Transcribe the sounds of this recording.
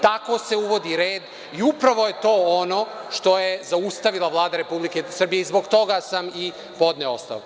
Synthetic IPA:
t̪ako̞ːse̞uʋo̞d̪iɾeːd̪ | iupɾaʋo̞jet̪o̞ːono̞ʃt̪o̞jezaust̪aʋilˠaʋlˠaːd̪aɾe̞publike̞sr̩bijeizbo̞ɡt̪o̞ɡasami | po̞d̪neo̞̰st̪a̰o

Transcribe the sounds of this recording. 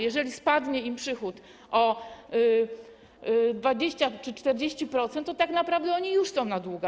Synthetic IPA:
jɛʐɛlʲispad̪ɲɛimpʂɘxut̪ | ʔɔ | d̪vad͡ʑeɕt͡ɕat͡ʂɘt͡ʂt̪ɛɾd͡ʑeɕt͡ɕipɾɔt̪sɛnt̪ːɔt̪aknapɾavd̪ɛɔɲijuʂsɔ̃w̃nad̪wuɡa

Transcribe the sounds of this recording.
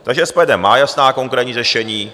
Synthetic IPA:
t̪aɡʒɛspɛdɛmːaːjasnaːko̞ŋkɾɛːt̪ɲiːrɛʃɛɲiː

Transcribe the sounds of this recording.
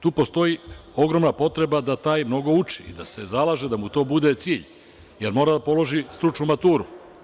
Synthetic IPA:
t̪uːpo̞st̪o̞jio̞ɡɾo̞mnapo̞t̪ɾe̞bad̪at̪aːjmno̞ɡo̞ut͡ʂḭḭd̪ase̞zalˠaːʒed̪amut̪o̞ːbud̪e̞t̪siːʎ | je̞ɾmoɾad̪apo̞lo̞ʒist̪ɾut͡ʃnumat̪uːɾu

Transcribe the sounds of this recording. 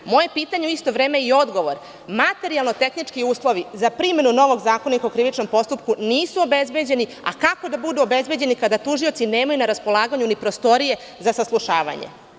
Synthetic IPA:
mo̞je̞piːt̪aɲeuist̪o̞ʋɾeːmeio̞d̪ɡo̞ʋo̞ɾ | mat̪e̞ɾialˠnot̪e̞xnit͡ʂkiuːslˠo̞ʋizapɾime̞nuno̞ʋo̞ɡzaːkonik̪okɾiʋit͡ʂno̞mpo̞st̪up̚kuniːsuo̞be̞zbe̞d͡ʑe̞ni | a̰kako̞d̪abud̪uobe̞zbe̞d͡ʑe̞nikad̪at̪uʒiot̪sineːmajunaɾaspo̞lˠaːɡaɲunipɾost̪o̞ɾije̞ | zasaslˠuʃaːʋa̰ɲḛ

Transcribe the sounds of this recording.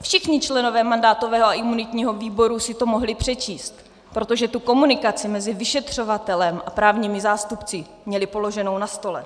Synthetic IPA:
fʃɪxɲɪt͡ʃlɛno̞vɛːmandaːt̪o̞vɛːɦoaʔɪmunɪt̪ɲiːɦo̞viːbo̞ɾusɪt̪o̞mo̞ɦlɪpr̝̥ɛt͡ʃiːst̪ | pɾo̞t̪o̞ʒɛt̪uko̞munɪkat͡sɪmɛzɪvɪʃɛt̪r̝̥o̞vat̪ɛlɛmʔapɾaːvɲiːmɪzaːst̪upt͡sɪ | mɲɛlɪpo̞lo̞ʒɛno̞wnast̪o̞lɛ

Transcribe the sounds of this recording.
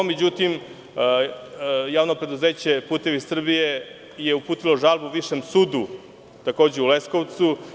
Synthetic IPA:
me̞d͡ʑut̪im | jaːʋno̞pɾe̞d̪uzeːt͡ɕe̞puːt̪e̞ʋisr̩bije | jeupuːt̪ilo̞ʒalˠbuʋiʃemsuːd̪u | t̪ako̞ːd͡ʑeulesko̞ʋt̪su

